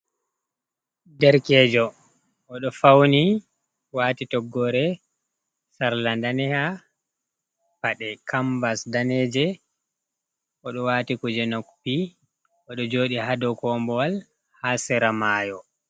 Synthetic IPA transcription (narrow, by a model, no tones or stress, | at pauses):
dɛɾkɛːd͡ʒɔ | ʔɔɗɔfawni | waːtitɔɡːɔɾɛ | saɾlandanɛha | paɗɛkambasdanɛːd͡ʒɛ | ʔɔɗɔwaːtikud͡ʒɛnokpi | ʔɔɗɔd͡ʒoːɗihadɔkɔːmbɔwal | hasɛɾamaːjɔ